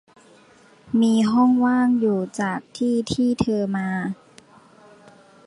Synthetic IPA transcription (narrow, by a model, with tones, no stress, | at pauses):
miː˧ɦɔ˥˩ŋwaː˥˩ŋjuː˨˩t͡ɕaː˨˩k̚t̪ʰiː˥˩t̪ʰiː˥˩t̪ʰɤː˧maː˧